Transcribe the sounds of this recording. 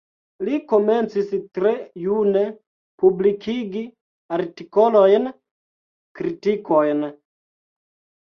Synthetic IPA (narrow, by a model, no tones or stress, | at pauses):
likoment͡sistɾejune | publikʰiɡi | aɾtikolojn | kɾitikojn